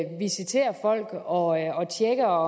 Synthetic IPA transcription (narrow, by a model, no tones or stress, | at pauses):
ʋisit͡sʰe̝̰ːɐfɒ̽l̰ɡ̥ɒ̽ɒ̽t͡sʰjeɡ̥ɐ